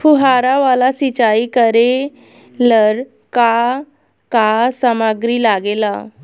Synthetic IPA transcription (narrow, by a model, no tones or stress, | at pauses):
pʰuɦaɾaʋalasit͡ɕaikəɾe | ləɾ | ka | kasəmaɡɾiːlaɡela